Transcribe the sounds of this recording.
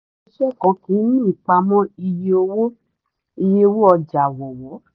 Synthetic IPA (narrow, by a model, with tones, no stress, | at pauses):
ʃɛ˦˨kã˧˦kĩ˨˦nĩ˦˨k͡pa˧mɔ̃˦i˧je˧o˧wo˦ | i˧je˧o˧wo˦ɔ˧d͡ʒa˨wɔ˨wɔ˨˦